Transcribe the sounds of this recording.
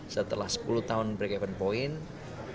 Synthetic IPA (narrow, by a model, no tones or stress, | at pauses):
sət̪əlahsə̥puluht̪aʊnpɾekɛwənpoɪn